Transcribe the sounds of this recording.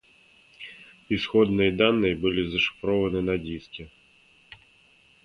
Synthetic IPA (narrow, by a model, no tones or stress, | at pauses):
isxɔd̪nɪjd̪ɑnːɪjbʊlʲˠizɐʃɪ̥fɾɔʋɐnɪnɐdʲistʲɐ